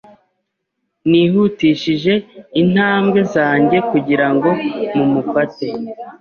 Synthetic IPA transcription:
niːɦuːtiːʃiʒe̞in̥haːmɡe̞zaːɲɟe̞kuɟiɾaŋɡo̞mumufate

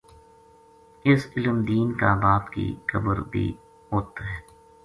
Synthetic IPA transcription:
ɪsɪləmd̪iːnkabaːpkḭkəbəɾbʱḭ | ɦoːt̪aɦɛː

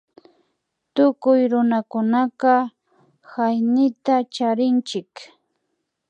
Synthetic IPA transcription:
t̪ʊkʊjɾʊnakʊnaqɑ | xajnɪt̪at͡ʃaɾɪnt͡ʃɪk

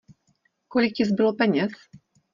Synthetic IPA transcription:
kɔlʲik̚t͡ɕizbɨwɔpɛɲɛs

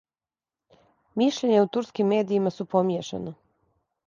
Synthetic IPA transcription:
miʃʎeɲeut̪uɾskimːeːd̪iːmasupomjeʃḛno

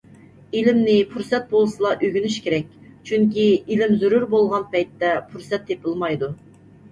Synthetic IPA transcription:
ilɪmnɪpʰuɾsɛt̪̚bolˠsɨlˠɑʔøɡʲynyʃkʲeɾɛk̚ʲt͡ʃʰyŋkʲiilɪmzyɾuɾbolˠʁɑnpɛjt̪ːɛpʰuɾsɛt̪ːepɪlˠmɑjd̪u

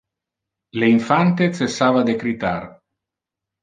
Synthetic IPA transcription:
leiɱfant̪et͡sesːaːvad̪ekɾit̪ar

